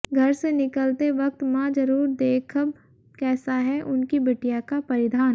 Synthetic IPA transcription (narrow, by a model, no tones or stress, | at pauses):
ɡʱɐɾsenɪkəlt̪eʋɐk̚t̪mãd͡ʒɐɾuːɾd̪eːkʰəb | kɛːsaɦɛʔʊnkibɐʈijakapɐɾɪd̪ʱaːn